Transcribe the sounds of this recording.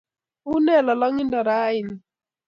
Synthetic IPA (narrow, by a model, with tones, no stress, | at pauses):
u˦nɛ˦˨la˨lɔ˦ŋi˦nda˨ɾa˦i˨n˨